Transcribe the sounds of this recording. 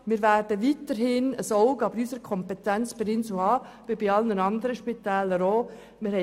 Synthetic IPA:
mɪːɾʋæɾd̥əʋit̪əɾɦɪnəsɔʊɡɑbəɾysəɾkʰɔmpɛtænt͡sb̥ɪɾɪnsuɑː | ʋɪbɪɑlnənɑnd̪əɾəʃpit̪æːləɾoː | mɪɾhɛ

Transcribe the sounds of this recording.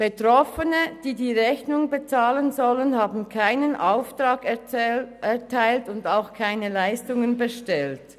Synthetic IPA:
b̥etʁɔfənəd̥iːdiːʁɛçnʊŋbet͡saːlənzɔlənhaːbn̩kʰaɪnənʔaʊftʁaːk | ɛɐtʰaɪltʊndaʊxkʰaɪnəlaɪstʊŋənbəʃtɛlt

